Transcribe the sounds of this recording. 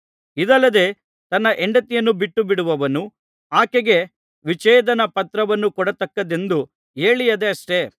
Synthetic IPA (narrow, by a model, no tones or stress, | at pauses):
id̪ɐlːɐd̪e̞ː | t̪ɐnːɐʔeɳɖɐt̪ijɐnːubiʈːubiɽuʋɐʋɐnu | aːkeɡe̞ | ʋit͡ʃɛːd̪ɐnɐpɐt̪ɾɐʋɐnːukɔɽɐt̪ɐkːɐd̪e̞nd̪u | eːɭijɐd̪e̞ɐʂʈe̞